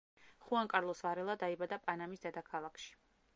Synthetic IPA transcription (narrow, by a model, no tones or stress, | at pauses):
χuaŋkʼaɾlˠɔsvaɾɛlˠad̪aibad̪apʼanamisd̪ɛd̪akʰalˠakʃi̥